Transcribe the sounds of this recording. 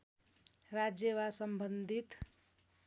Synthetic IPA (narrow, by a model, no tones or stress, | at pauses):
ɾad͡ʒjewasəmbənd̪ʱit̪